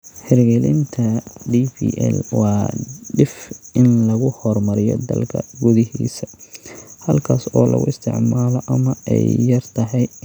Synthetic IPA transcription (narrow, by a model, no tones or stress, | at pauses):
ħɪɾɡɛlɪnt̪ʰɐɖipiːʔɛ̰lwɑːɖɪfʔɪnlɐɣʊhɔrmɐɾɪjɔ̰d̪ɐ̰lkʰɐ̰ɡʊðɪhḭːsɐ | hɐlkʰaːsɔːlɐ̰ɣʊɪst̪ʰɪ̰ʕmaːlɔʔɐmɐɛ̰jːɐrt̪ʰɐɦɛj